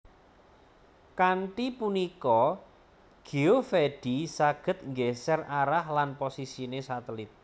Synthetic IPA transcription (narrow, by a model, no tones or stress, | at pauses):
kaɳʈipunikɔ | ɡ̥i̤ofeɖ̥isaɡ̥ə̤t̪̚ŋɡesɛraɾahlanposisinesat̪əlit̪̚